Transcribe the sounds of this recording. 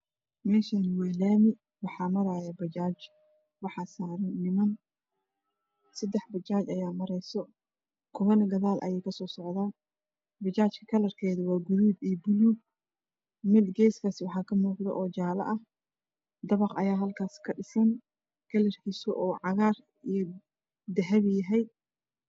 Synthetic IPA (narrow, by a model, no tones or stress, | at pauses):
mɛːʃaːnwɛːlaːmɪ | wɑħɑːmɐɾaːjɐbɐt͡ʃaːt͡ʃ | wɑħɑːsaːɾɐnːɪmɐn | sɐd̪ːɛħbɐt͡ʃaːt͡ʃɐjaːmɐɾɛjsɔ | kʰɔβɐnɡɐðaːlʔɐ̰jɛjkʰɐsɔːsɔʕðaː | bɐt͡ʃaːt͡ʃkʰɐ̥kʰɐlɐrkʰɛːðʊwɑːɡʊðuːbijɔbʊlu | mɪd̪ɡɛjskʰasɪwɑħɑːkʰɐmuːqd̪ɐ̰ʔɔːt͡ʃaːlɐ̰ʔɐh | d̪ɐβɑqɐjaːɦɐlkʰaːskʰɐɖɪsɐn | ɡ̥ɐlɐrkʰisɔʔɔːʕɑɣaːr | ijɞ | d̪ɐɦɛβjɐɦɛj